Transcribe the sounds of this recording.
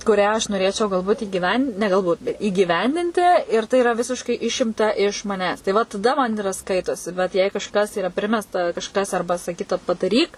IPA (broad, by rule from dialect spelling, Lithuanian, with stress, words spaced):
kʊˈrʲæː ɐʃ noːˈrʲeːt͡ʃʲɛʊ ɡɐlˠˈbuːtʲ ɪɡʲiːˈʋʲɛnʲdʲɪn nʲɛ ɡɐlˠˈbuːt iːɡʲiːˈʋʲɛnʲdʲɪnʲtʲɪ ɪr tɐɪ ɪˈrɐ ˈʋʲɪsʲɪʃkɐɪ ˈɪʃʲɪmtɐ ɪʃ mɐˈnʲæːs tɐɪ ˈʋɐ tɐˈdɐ mɐn ɪˈrɐ ˈskɐɪtoːsʲɪ ˈbʲɛt jɛɪ kɐʃˈkɐs iːˈrɐ ˈpʲrʲɪmʲɛstɐ kɐʃˈkɐs ˈɐrbɐ sɐˈkʲiːtɐ pɐdɐˈrʲiːk